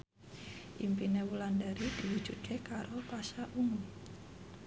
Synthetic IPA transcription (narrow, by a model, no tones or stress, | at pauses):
ʔimpinewulandaɾid̥iwu̥d͡ʒut̪̚wekaɾopasaʔuŋu